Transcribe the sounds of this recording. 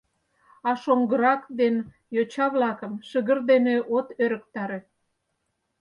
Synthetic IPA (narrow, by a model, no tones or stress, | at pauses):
ɑʃoŋɡəɾɑkd̪en | jot͡ɕɑβlɑkəmʃəɣə̆rd̪eneʔot̪øɾə̆kt̪ɑɾe